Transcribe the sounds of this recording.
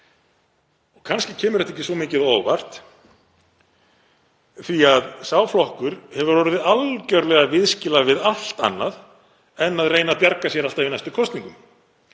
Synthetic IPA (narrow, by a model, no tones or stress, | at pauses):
ɔɣkʰanscɪcʰɛːmʏɾɛt̪ːehcɪsvɔmɪːcɪðoːwva̰r̥t̪ | θiaðsaːwflɔhkʏɾ̥hɛvʏɾvɔɾɪðalcœɾlɛɣavɪðscɪlavɪðal̥t̪a̰nːað | ɛnːaðreːjnapjaɾkasjɛɾal̥t̪avɪnajst̪ʏkʰɔst̪niŋkʏm